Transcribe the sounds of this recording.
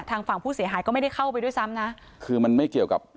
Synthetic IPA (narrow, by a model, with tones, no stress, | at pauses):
t̪ʰaː˧ŋfa˨˩ŋpʰuː˥˩si˩˦ɦaː˩˦jkɔː˥˩ma˥˩da˥˩jxʰa˥˩wpa˧jdu˥˩˨jsa˦˥mna˦˥ | kʰɯː˧ma˧nma˥˩jki˨˩əwka̰˨˩p̚